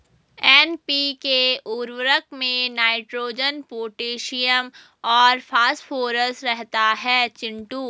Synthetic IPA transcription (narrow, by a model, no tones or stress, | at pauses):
ɛːnpikeuɾwəɾəkmẽnaːɪʈɾoːd͡ʒənpoːʈeːʃijəm | ɔːɾfʰaːsʈfʰoːɾəsɾɛɦt̪aɦɛːt͡ʃɪ̃ɳʈuː